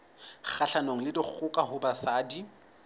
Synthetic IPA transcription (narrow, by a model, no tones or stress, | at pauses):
k͡xaɬanoŋ̩lɪdɪk͡xʰʊkʼaɦʊbasaːdi